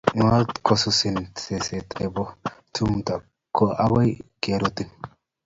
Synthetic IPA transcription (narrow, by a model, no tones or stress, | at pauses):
ŋalt̪kʰɔsʊsɪnsesɛt̪ʼebɔt̪ʊmt̪ɐ | kʰːɔɐbɔjɡ̥eːɾɔt̪ːɪ